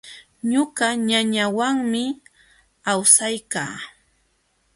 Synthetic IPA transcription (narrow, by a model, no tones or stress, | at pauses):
ɲʊɢɑɲaɲawaŋmɪ | awsajka̰ː